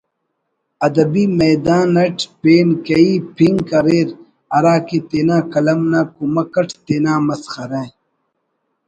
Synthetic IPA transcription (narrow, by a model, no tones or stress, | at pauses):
ɐd̪ɐbiːmɐjd̪aːnːɐʈpeːnkɐiːpʰiŋkɐɾeːɾ | ɐɾaːket̪eːnaːkɐlɐmnaːkumɐkɐʈʰt̪eːnaːmɐsxɐɾẽː